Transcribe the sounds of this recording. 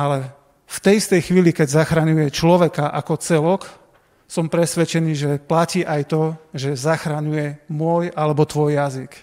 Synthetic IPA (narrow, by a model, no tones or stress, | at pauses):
ʔalɛ | ft̪ɛjist̪ɛjxʋiːlikɛɟzaxɾaɲujɛt͡ʃlɔʋɛkaʔakɔt͡sɛlɔk | sɔmpɾɛsʋɛt͡ʃɛniːʒɛplaciːʔajt̪ɔʒɛzaxɾaɲujɛmʊɔjalɛbɔt̪ʋɔjjazik